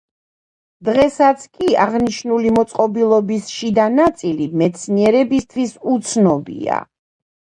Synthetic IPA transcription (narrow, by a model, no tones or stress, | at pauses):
d̪ʁɛsat̪sʰkʼiaʁniʃnulimɔt̪sʼqʼɔbilˠɔbisʃid̪anat̪sʼilimɛt̪sʰniɛɾɛbist̪ʰwisut̪sʰnɔbḭa̰